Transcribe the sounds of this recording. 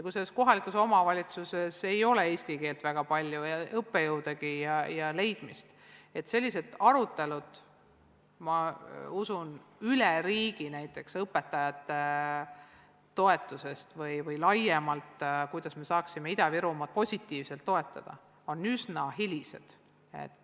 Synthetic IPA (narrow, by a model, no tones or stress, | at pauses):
kuselːesko̞ɦɑlikuso̞mɑvɑlʲit̪suse̞se̞jo̞lee̞ːsʲt̪ike̞ːlt̪væɡ̥ɑpɑlʲjuɤpːe̞jɤwd̪eɡijɑjɑle̞jd̪̥mist̪ | e̞t̪ːˑse̞lʲːised̪̥ɑɾut̪ːe̞lud̪̥ | mɑusunylɛɾiːɡ̥inæjt̪ːˑe̞ksɤpːˑet̪ːɑjɑt̪ːˑe | o̞e̞t̪ːˑuse̞st̪vɯjvɤjlɑjemɑlt̪kujd̪̥ɑsme̞sɑːksimeid̪ɑviɾumɑt̪̚po̞sʲit̪ːˑiːvse̞lt̪ːo̞e̞t̪ˑːɑd̪̥ɑ̰ | o̞nːysnɑɦilʲise̞̰d̪̥ | ḛt̪ːˑ